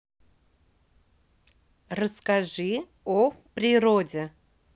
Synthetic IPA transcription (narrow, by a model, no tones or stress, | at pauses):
rəskaʐɨ | opɾʲɪɾodʲe